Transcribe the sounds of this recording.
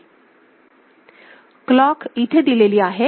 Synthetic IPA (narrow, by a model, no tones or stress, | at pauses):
klɔkit̪ʰed̪ileliːaɦe